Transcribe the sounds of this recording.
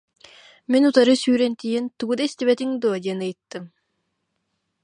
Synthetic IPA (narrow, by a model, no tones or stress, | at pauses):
minut̪aɾɯsyːɾɛnt̪ijint̪uɡud̪aist̪ibɛt̪iŋd̪oːd̪iɛnɯjt̪ːɯm